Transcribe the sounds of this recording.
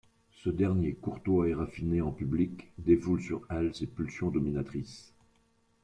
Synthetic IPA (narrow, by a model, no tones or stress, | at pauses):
səd̪ɛʁnjekuʁt̪waɛʁafineɑ̃pyblikd̪efulsyʁɛlsepylsjɔ̃d̪ɔminat̪χis